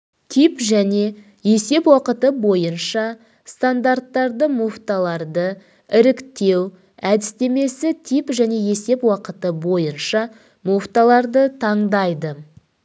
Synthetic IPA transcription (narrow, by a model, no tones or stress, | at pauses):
t̪ʰipʒæne̞ | je̞se̞pwɑqət̪əbo̞jənʃɑ | st̪and̪art̪ːɑɾd̪əmuft̪alˠɑɾd̪ə | ɪɾɪkt̪e̞w | æd̪ɪst̪e̞me̞sɪt̪ʰipʒæne̞je̞se̞pwɑqət̪əbo̞jənʃɑ | moft̪alˠɑɾd̪ət̪ʰɑɴd̪ɑjd̪ə